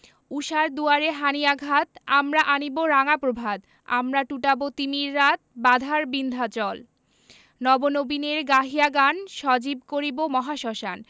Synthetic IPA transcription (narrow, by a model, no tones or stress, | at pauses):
uʃaɾd̪uaɾeɦanijaɡʱat̪amɾaʔaniboɾaŋapɾobʱad̪ | a̰mɾaʈuʈabot̪imiɾːat̪̚bad̪ʱaɾbind̪ʱat͡ɕɔl | nɔbonobineɾɡaɦiaɡanʃɔd͡ʑib̚koɾibomɔɦaʃɔʃa̰n